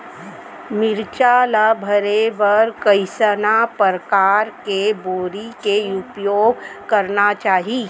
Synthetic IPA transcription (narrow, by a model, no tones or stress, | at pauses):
mɪɾt͡ʃalabʱəɾeʋəɾkəɪsənapəɾkaːɾkeboːɾikeʊpjoːɡkɐɾnat͡ʃaːɦi